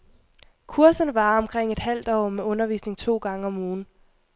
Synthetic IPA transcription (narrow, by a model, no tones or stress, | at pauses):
kʰuɐsənʋɑ̈ːɒ̽mkʰʁeŋ̰e̝d̥hæl̰d̥ɒ̰ːmeɔ̽nɐʋḭːsne̝ŋt͡sʰo̝̰ːɡ̥ɑ̈ŋəɒ̽muːn̩